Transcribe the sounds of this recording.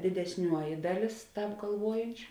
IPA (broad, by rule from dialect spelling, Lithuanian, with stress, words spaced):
dʲɪdʲɛsʲˈnʲuɔjɪ ˈdɑːˌlʲeːs ˈtɑːp ɡɐlˠˈʋuɔjɛnʲt͡ʃʲʊ